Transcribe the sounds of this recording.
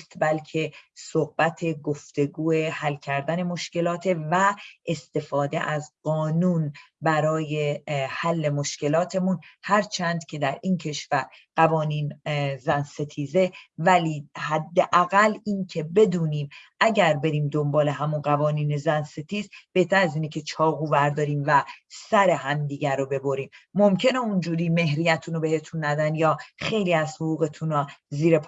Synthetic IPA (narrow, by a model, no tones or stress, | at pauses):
st̪bælcʰe̞sohb̥æt̪ʰe̞ɡoft̪e̞ɡuːe̞hælːcʰæɾd̪æne̞mo̞ʃce̞lɒːt̪ʰevæʔest̪e̞fɒːd̪e̞ʔæzɢɒːnuːnbæɾɒːjehælːe̞mo̞ʃce̞lɒːt̪ʰe̞munhæɾt͡ʃʰænd̪̥cʰe̞d̪æɾʔiːncʰe̞ʃvæɾ | ɢ̥ævɒːniːnzænse̞t̪ʰiːze̞væliːhæd̪ːeʔæɣælːiːncʰe̞be̞d̪uːniːmʔæɟæɾbe̞ɾiːmd̪ombɒːle̞ɦæmunɢævɒːniːnezænse̞t̪ʰiːzb̥e̞ht̪ʰæɾæziːnecʰe̞t͡ʃʰɒːɣuːvæɾd̪ɒːɾiːmvæsæɾe̞ɦæmd̪iːɟæɾobe̞boɾiːmːo̞mcʰe̞neund͡ʒuːɾiːme̞ɦɾijæt̪ʰuːnobe̞he̞t̪ʰunːæd̪ænjɒːχe̞jliːæz̥hoʁuːɣe̞t̪ʰunɔziːɾepʰ